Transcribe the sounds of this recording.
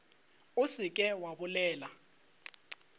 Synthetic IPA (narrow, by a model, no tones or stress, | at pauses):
ʊsɪkʼɛwabʊlɛːla